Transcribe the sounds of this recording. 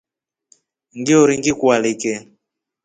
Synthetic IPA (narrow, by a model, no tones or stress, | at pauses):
ŋɡiɔɾiŋɡikwalikɛ